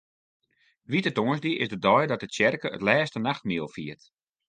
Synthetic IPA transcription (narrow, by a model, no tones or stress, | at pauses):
ʋitətoənsdiʔɪsdədɔjdɔt̚dət͡ʃɛrkəə̰tlɛːstənaxtmiəlˠfiərt